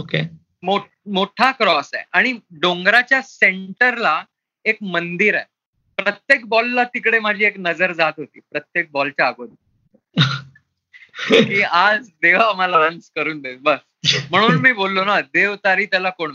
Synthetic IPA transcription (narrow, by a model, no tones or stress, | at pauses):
oke | mo | moʈʰakɾɔsa̰jʔaɽ̃iɖõŋɡɾat͡ɕjaseɳʈəɾla | ekmənd̪iɾaj | pɾət̪jek̚bɔlːat̪ikɽemad͡ʑʱiːeknəd͡zəɾd͡zat̪ɦot̪ḭːpɾət̪jek̚bɔlt͡ɕjaːɡod̪i | kiːad͡zd̪eʋ̤aməlaɾanskəɾuːnb̪ebəɾ | m̤əɽ̃uːnmiːbolːonad̪eʋt̪aɾiːt̪jalakoɳ